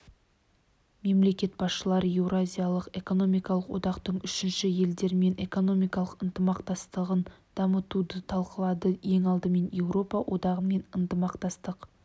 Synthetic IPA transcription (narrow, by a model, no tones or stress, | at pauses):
me̞mle̞kʲe̞t̪̚bɑsʃəlˠɑɾəje̞wɾoazʲijalˠəqe̞ko̞no̞mijkɑlˠəqwʔo̞̰d̪ɑqt̪əɴʏʃɪnʃɪje̞ld̪e̞ɾɪme̞nʔe̞ko̞no̞mijkɑlˠəqənt̪əmɑqt̪ɑst̪əʁənd̪̥ɑmət̪ud̪ət̪ʰɑlˠqəlˠɑd̪əje̞ŋɑlˠd̪əme̞nje̞wɾo̞pɑwʔo̞d̪ɑʁəme̞nənt̪əmɑqt̪ɑst̪əq